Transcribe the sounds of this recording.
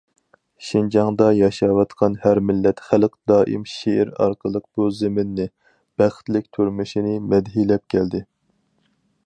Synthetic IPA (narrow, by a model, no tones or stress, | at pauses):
ʃind͡ʒɑŋd̪ɑjɑʃɑwɑt̪qʰɑnhæɾmɪlːɛt̪χælqd̪ɑːʔḭmʃeʔɪɾɑ̰ɾqʰəlˠəq̚b̥uzɪmɪnːɪ | b̥æχt̪lɪk̚ʲt̪ʰyɾmɪʃinɪmɛd̪ɦilɛp̚kʲʰɛld̪ɪ